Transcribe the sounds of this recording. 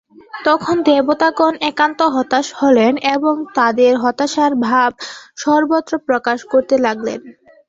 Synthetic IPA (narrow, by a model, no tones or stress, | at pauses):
t̪ɔkʰond̪ebot̪akonɛkant̪oɦɔt̪aʃholeneboŋt̪ad̪eɾɦɔt̪aʃaɾbʱab̚ʃɔɾbot̪ːɾopɾokaʃkoɾt̪elaɡlḛn